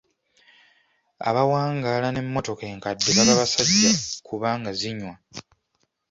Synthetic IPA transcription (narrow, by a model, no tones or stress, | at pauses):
a̰βawaːŋɡalane̞mːo̞to̞ke̞ːŋkadːezaβaβasaɟːakʰuβaːŋɡaziɲwa